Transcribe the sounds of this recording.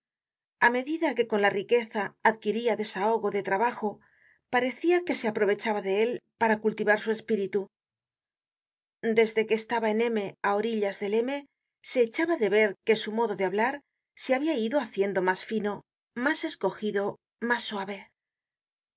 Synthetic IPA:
ame̞ðiðake̞ko̞nlarike̞θaːðkiɾiaðe̞sao̞ɣo̞ðe̞t̪ɾaβaxo̞ | paɾe̞θiake̞se̞apɾo̞β̞e̞t͡ʃaβaðe̞e̞lpaɾakult̪iβaɾsue̞spiɾit̪u | d̪e̞zðe̞keːst̪aβae̞ne̞me̞ao̞ɾiʎazðe̞le̞me̞ | se̞ːt͡ʃaβaðe̞βe̞ɾke̞sumo̞ðo̞ðeaβlaɾ | seaβiaiðo̞aθje̞nd̪o̞masfino̞ | mase̞sko̞xiðo̞ | masːwaβe̞

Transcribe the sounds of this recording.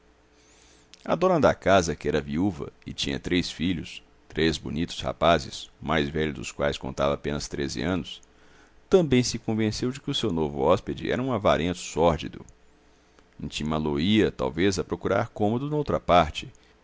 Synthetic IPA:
ɐd̪õɾnɐ̃d̪ɐkazɐkɪɛɾɐviuvɐ̰ɪt͡ʃĩɲɐ̰t̪ɾesfiʎʊs | t̪ɾezbʊnit̪ʊ̥sha̰pazɪsmajzvɛʎʊd̪ʊ̰skwajskõ̰nt̪avɐapẽnɐst̪ɾezɪ̰ɐ̃nʊs | t̪ɐ̃mbẽj̃sɪkõvẽsewd͡ʒɪkɪʊsewnovʊɔsped͡ʒɪ̰ɛ̰ɾɐũavaɾẽt̪ʊ̥sɔɾd͡ʒḭd̪ʊ̰ | ĩt͡ʃimɐloiɐt̪a̰wvezɐpɾokuɾaɾkõmod̪ʊnowt̪ɾɐpaɾt͡ʃɪ

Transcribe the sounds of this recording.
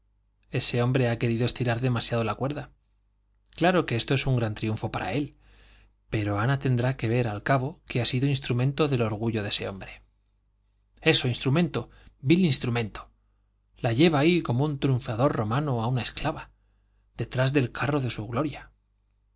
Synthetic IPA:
e̞se̞õ̞mbɾe̞ake̞ɾiðoe̞st̪iɾaɾðe̞masjaðo̞lakwe̞ɾða | klaɾo̞ke̞est̪o̞e̞suŋɡɾant̪ɾiuɱfo̞paɾa̰e̞l | pe̞ɾo̞anat̪e̞nd̪ɾake̞β̞e̞ɾalkaβo̞keasiðoins̬t̪ɾumẽ̞nt̪o̞ðe̞lo̞ɾɣ̞uʝo̞ðe̞se̞o̞̰mbɾe̞̥ | e̞soinst̪ɾumẽ̞nt̪o̞ | bilinst̪ɾumẽ̞nt̪o̥ | laʝe̞β̞aiko̞mount̪ɾjuɱfaðo̞rro̞mãnoaunae̞sklaβa | ð̥e̞t̪ɾazðe̞lkʰaro̞ðe̞suɣlo̞ɾja

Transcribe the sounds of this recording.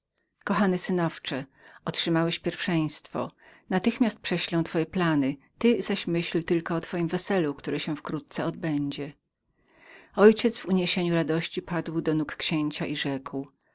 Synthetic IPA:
kɔxanɘsɘnɔft͡ʂɛɔtʂɘmawɛɕpʲjɛɾfʂɛj̃st̪fɔ̰nat̪ɘxmʲjast̪̚pʂɛɕlɔ̃w̃t̪fɔjɛplanɘt̪ɘzaɕmɘɕlt̪ɘlkɔɔt̪fɔjimvɛsɛlukt̪uɾɛɕɛfkɾut̪̚t̪sɛɔd̪̚bɛɲd͡ʑɛ | ɔjt͡ɕɛd̪zv̥uɲeɕeɲuɾad̪ɔɕt͡ɕipad̪wd̪ɔnukːɕeɲt͡ɕaʔiʐɛkw

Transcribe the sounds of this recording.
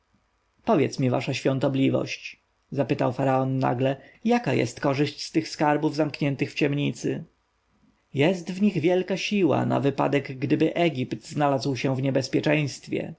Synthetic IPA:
pɔvʲjɛ̰t̪smʲiva̰ʂaɕfʲjɔnt̪ɔblʲivɔ̰ɕt͡ɕ | zapɘt̪awfaɾaɔnːa̰ɡlɛjakajɛ̰st̪kɔʐɘɕt͡ɕst̪ɘxskaɾbuvzamkɲɛnt̪ɘxft͡ɕɛmɲit̪sɘ | jɛst̪vɲiɣvʲjɛlkaɕiwa̰na̰vɘpa̰d̪ɛɡɡd̪ɘbɘʔɛɡʲipt̪znalazwɕɛ̃vɲɛbɛspʲjɛt͡ʂɛ̃j̃st̪fʲjɛ̰

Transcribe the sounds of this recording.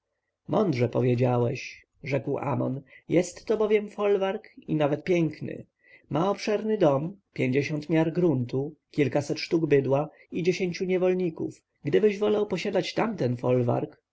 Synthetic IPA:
mɔnd̪ʐɛpɔvʲjed͡ʑawɛɕ | ʐɛkwʔa̰mɔ̰njɛst̪ːɔbɔvʲjɛmfɔlvaɾkḭnavɛt̪̚pʲjɛŋknɘ̰ | mʔaɔpʂɛɾnɘd̪ɔmpʲjeɲd͡ʑeɛɕɔnt̪mʲjaɾɡɾunt̪ukʲilkasɛt̪ʂt̪uɡbɘd̪wa | id͡ʑeɕeɲt͡ɕuɲɛvɔlɲikṵf | ɡd̪ɘbɘʑvɔlawpɔɕad̪at͡ɕt̪amt̪ɛnfɔlva̰ɾk

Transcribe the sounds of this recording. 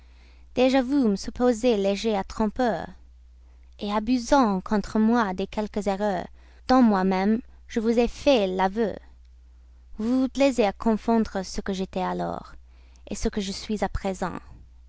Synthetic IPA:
d̪̥eʒavuməsypozeleʒeat̪χɔ̃pœːʁ | eabyzɑ̃kʰɔ̃t̪χəmwad̪ekʰɛlkəzɛʁœːʁ | d̪̥ɑ̃mwamɛ̃m | ʒəvuzefɛlavø̰ | vuplɛzeakʰɔ̃fɑ̃d̪ʁəsəkəʒet̪ɛalɔ̰ːʁ | ḛsəkəʒəsɥizapχezɑ̰̃

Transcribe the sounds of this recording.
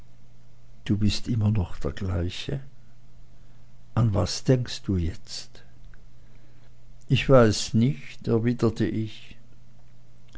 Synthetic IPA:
d̥uːbɪstʔɪmɐnɔχd̥eːɐɡlaɪçə | ʔanvaːsd̥ɛŋkst̚d̥uːjɛt͡st | ʔɪçv̥aɪsnɪçtɛɐviːdətʰəʔɪç

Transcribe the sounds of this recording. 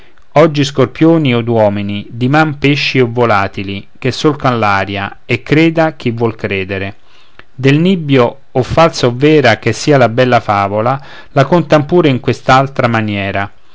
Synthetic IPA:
ɔd͡ʒːiskorpjoːniod̪wɔːminid̪imampeʃːiovːolaːt̪ilik̟esːolkanlaːɾja | ekːɾeːd̪ak̟ivːwɔlkɾeːd̪eɾe | d̪elnibjoː | fːalsaovːɛːɾak̟esːiːalabɛlːafaːvola | lakont̪ampuːɾeiŋkwest̪alt̪ɾamanjɛːɾa

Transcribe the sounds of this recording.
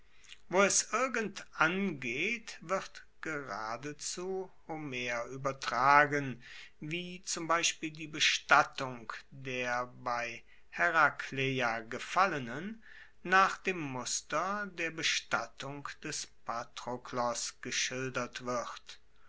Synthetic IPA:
voːɛsʔɪɐɡəntʔanɡeːtv̥ɪʁt | ɡ̥əʁaːdət͡suːhomeɐʔyːbɐtʁ̥aːɡənviːt͡sʊmbaɪʃpiːldiːbəʃtatʊŋkdeːɐbaɪ | hɛʁakʰlejaɡəfalənənː | aːχd̥eːmːʊstɐdeːɐbəʃtatʰʊŋkd̥ɛspʰatʁ̥oklɔsɡ̥əʃɪldɐtv̥ɪt

